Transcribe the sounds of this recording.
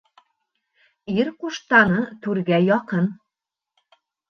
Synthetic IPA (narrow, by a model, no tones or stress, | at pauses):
iɾquʃt̪ɑnɤt̪ʉɾɡæjɒqɤn